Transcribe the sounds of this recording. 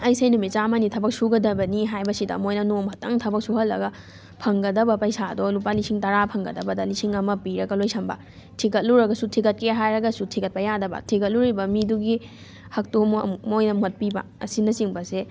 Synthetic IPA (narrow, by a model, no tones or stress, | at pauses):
ɐjsɐjnumit͡ʃamanitʰɐbɐk̚suɡɐdɐbɐniɦajbɐsidɐ̰mojnɐnomhɐtɐŋtʰɐbɐk̚suɦɐlːɐ̰ɡɐ | pʰɐŋɡɐdɐbɐpɐjsadɔlupalisiŋtɐɾapʰɐŋɡɐ̰dɐbɐdɐlisiŋɐmɐpiɾɐɡɐlojsʰɐmbɐ̰ | tʰikɐt̚luɾɐɡɐsutʰikɐt̚keɦajɾɐɡɐsutʰikɐt̚pɐjadɐbɐ̰tʰikɐt̚luɾibɐmiduɡi | hɐk̚tummojnɐmot̚pibɐ̰ɐsinɐsiŋbɐse